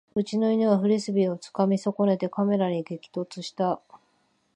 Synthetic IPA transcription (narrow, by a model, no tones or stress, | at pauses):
ɯ̟t͡ɕino̞iɲiβaɸɯ̟ɾʲisɨbʲio̞t͡sɨ̥kamʲiso̞ko̞ne̞t̪e̞kame̞ɾaɲ̟iɡe̞kʲi̥t̪o̞t͡sɨɕi̥t̪a